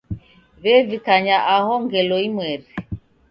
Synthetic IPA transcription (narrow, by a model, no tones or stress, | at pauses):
βɛvikaɲaʔahɔŋɡɛlɔimwɛɾi